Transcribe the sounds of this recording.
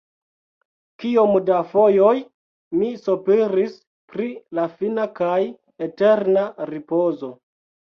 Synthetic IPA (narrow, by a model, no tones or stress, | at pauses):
kiomdafo̞joj | misopeɾis | pɾilafinakaj | ete̞ɾnaɾipo̞zo̞